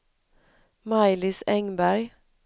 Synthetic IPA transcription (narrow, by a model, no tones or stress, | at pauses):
majlɪsɛŋbæɾj